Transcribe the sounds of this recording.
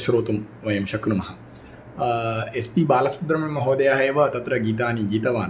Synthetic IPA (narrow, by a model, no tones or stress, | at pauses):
ʃɾoːt̪um | ʋɐjɐmʃɐknumɐɦɐ | espiːbaːlɐspud̪ɾɐmemːɐɦoːd̪ɐjaːɦɐjɐʋɐt̪ɐt̪ɾɐɡiːt̪aːniɡiːt̪ɐʋaːn